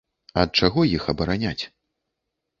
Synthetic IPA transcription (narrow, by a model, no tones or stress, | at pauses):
ɐt̪̚t͡ʂaɣɔjixɐbɐɾanʲat͡sʲ